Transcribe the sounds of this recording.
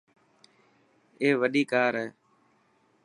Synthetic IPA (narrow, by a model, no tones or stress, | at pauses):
eːʋəɗiːkaːɾɦɛː